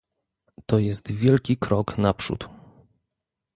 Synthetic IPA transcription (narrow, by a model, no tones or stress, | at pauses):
t̪ɔjɛst̪vʲjɛlkʲikɾɔknapʂṵt̪